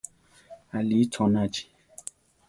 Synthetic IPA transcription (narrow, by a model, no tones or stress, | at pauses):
alit͡ʃɔnad͡ʒi̥